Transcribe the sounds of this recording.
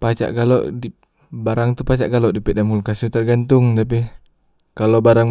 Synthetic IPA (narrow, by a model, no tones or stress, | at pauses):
pat͡ʃa̰ʔkalɔ̰ʔdi | baɾaŋt̪upat͡ʃa̰ʔɡalɔʔdipɛdamulkasut̪ərɡant̪uŋt̪ap̬i | kalɔbaɾaŋ